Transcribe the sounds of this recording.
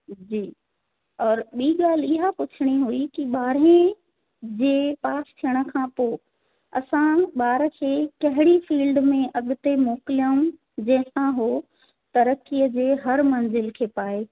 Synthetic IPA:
d͡ʑiː | ɔːɾɓiːɠaːl̤ɪɦapʊt͡ɕʰɪɽ̃iɦuikiɓaːɾẽ | d͡ʑeːpaːst̪ʰijəɽ̃ə̆kʰãpo | ɐsãɓaːɾəkʰeːkɐɦɪɽifiːlɖmẽʔɐɠʊt̪emoːkɪlijəũ | d͡ʑɐ̃ɦɪ̃sãɦo | t̪ɐɾəkːijəd͡ʑeːɦɐɾmɐ̃nzɪlkʰeːpaːe

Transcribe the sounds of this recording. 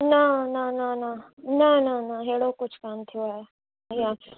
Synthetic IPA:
nanananãnananaɦeːɽokʊt͡ʃʰkaːnt̪ʰijoaːe | ijaː

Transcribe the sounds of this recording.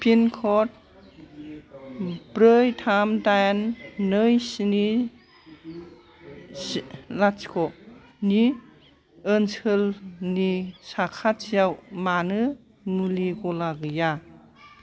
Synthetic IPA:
pʰinkʰɔt̚ | bɾɯjtʰamdajnːɯjsini | slat͡ʃkʰɔ | ni | ɯnsɯlnisakʰat͡ʃijawmanɯ | muliɡɔlaɡɯja

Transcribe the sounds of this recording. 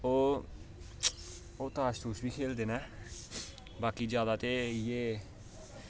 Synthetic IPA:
oː | oːt̪aːst̪uːsbʱiːkʰeːld̪eːnɛː | baːkid͡ʒjaːd̪aːt̪ejeː

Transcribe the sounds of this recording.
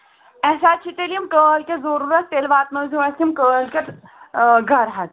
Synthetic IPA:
ɛsaːd̪̚t͡ʃʰit̪elijɐmkəːlkezoɾuːɾɐt̪̚t̪eːlʋaːt̪nɐzuɐsimkəːlkʲet̪ | ɡʱɐɾɦɐt̪

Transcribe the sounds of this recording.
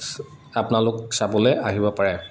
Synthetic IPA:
apʊnalʊksabɔlɛaɦibɔpaɹɛ

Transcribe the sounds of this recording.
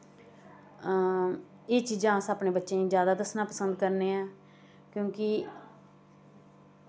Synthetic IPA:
eːt͡ʃid͡ʒãːsaːpneːbətːʃẽːĩːd͡ʒjaːd̪aːd̪əsnãːpəsənd̪̚kəɾneːɛː | kjõːkɪ

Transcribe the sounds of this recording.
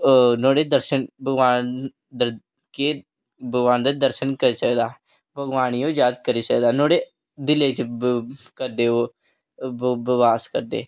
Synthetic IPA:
noːɽeːd̪əɾʃənbəɡʋaːn | d̪ə | keː | bəɡʋaːnd̪ad̪əɾʃənkəɾiːsəkd̪aː | bʱəɡʋaːniːõːd͡ʒjaːd̪kəɾiːsəkd̪aːnoːɽeː | d̪ɪleːt͡ʃ | kəɾd̪eːoː | bəbaːskəɾd̪ḛː

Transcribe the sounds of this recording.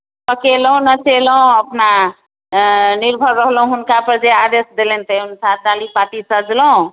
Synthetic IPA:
pəkelũnət͡ʃeləõəpna | niɾbʱəɾːəɦlũɦunkapəɾd͡ʒead̪esd̪elent̪əunsat̪̚d̪alipaʈisəd͡ʒləũ

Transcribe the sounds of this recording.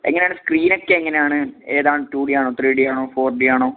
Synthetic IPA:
ḛŋːɐneaːɳɨskriːno̞kːeeŋːɐne̞jaːɳɨe̞ːðaːɳtuːɽiaːɳoːt̪riːɖiaːɳoːfoːrɖiaːɳo̞ː

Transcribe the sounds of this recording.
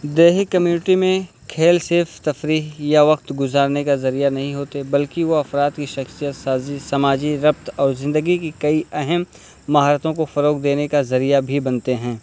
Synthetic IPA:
d̪eːɦɪkːɐmjuːnɪʈimẽ | kʰeːlseːft̪ɐfɾiːɦjaʋɐk̚t̪ɡʊzaːɾnekazɐɾijanɐɦĩɦoːt̪ebɐlkiʋoɐfɾaːd̪kiʃɐxsijət̪saːzisɐmaːd͡ʒiɾɐp̚t̪ɔːɾzɪ̃nd̪əɡikikɐiɛɦɛmː | ɐɦaːɾət̪õkofɐɾoːkd̪eːnekazɐɾijabʱibɐnt̪eɦɛ̃ː

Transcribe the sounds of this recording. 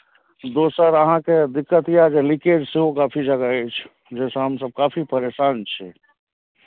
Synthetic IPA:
d̪oːsaɾəɦãked̪ɪkːət̪ɦijad͡ʒelɪkeːd͡ʒseɦokaːpʰid͡ʒɐɡaet͡ʃʰ | d͡ʒɛːsaɦəmsəb̚kaːpʰipəɾeːʃaːnt͡ʃʰɛ

